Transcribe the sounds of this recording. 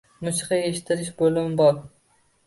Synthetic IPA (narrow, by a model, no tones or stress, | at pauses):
mʊʃqɑeʃɪ̥t̪ʰːɪɾɪʃbolɪmbɒɾ